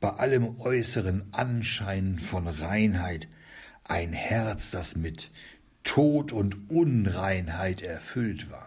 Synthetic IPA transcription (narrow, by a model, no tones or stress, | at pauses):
b̥aɪʔaləmʔɔʏsəʁənʔanʃaɪnənfɔnʁaɪnhaɪt | ʔaɪnhɛɐt͡sd̥asmɪtʰː | oːtʊntʔʊnʁaɪnhaɪtɛɐfʏltv̥a̰ːɐ